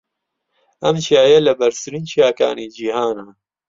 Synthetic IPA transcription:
ɐmt͡ʃʰijaːjɛlɐbɐɾsɨɾiːnt͡ʃʰijaːka̰ːniːd͡ʒiːhaːnaː

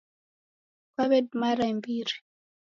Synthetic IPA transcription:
kwaβɛdmaɾaimbiɾi

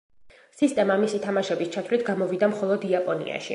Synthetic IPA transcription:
sist̪ʼɛmamisit̪ʰamaʃɛbist͡ʃʰat̪ʰwlit̪ʰɡamɔvid̪amχɔlˠɔd̪iapʼɔnḭa̰ʃi

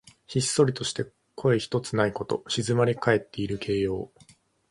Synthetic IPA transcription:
çisːo̞ɾʲit̪o̞ɕi̥t̪e̞ | kʰo̞eçi̥t̪o̞t͡sɨnaiko̞t̪o̞̰ɕizɨmaɾʲikae̞t̪ːe̞iɾɯ̟kʰe̞ːjo̞ː

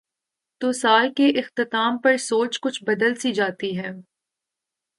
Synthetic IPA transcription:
t̪oːsaːlkeʔɪxt̪ɪt̪aːmpɐɾsoːt͡ʃkʊt͡ʃʰbɐd̪əlsid͡ʒaːt̪iɦɛː

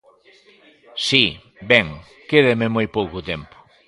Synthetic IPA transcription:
si | bɛŋ | keðemɪmojpowkʊt̪ɛmpʊ̥

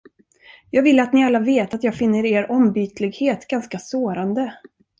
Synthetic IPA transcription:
jɑːɡvɪlːəat̪nɪalːaveːt̪at̪jɑːɡfɪnːəɾeːɾɔmbyːt̪lɪɡheːt̪ɡanskasoːɾand̪ə

